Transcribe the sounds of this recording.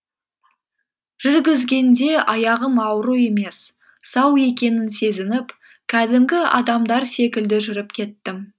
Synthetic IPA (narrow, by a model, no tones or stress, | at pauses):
ʒ̥ʏɾɡʲɪzɡʲe̞nd̪e̞ʔɑjɑʁəmɑwɾue̞me̞s | sɑwe̞kʲe̞nɪnse̞zɪnɪp | kʲʰæd̪ɪmɡʲɪɑ̰d̪ɑmd̪ɑɾse̞kʲɪld̪ɪʒʏɾɪpkʲʰe̞t̪ːɪm